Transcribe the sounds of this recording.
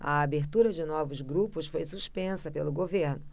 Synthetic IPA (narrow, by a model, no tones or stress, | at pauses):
ɐ̰abeɾt̪uɾɐd͡ʒɪnɔvʊzɡɾupʊsfojsuspẽsɐpelʊɡoveɾnʊ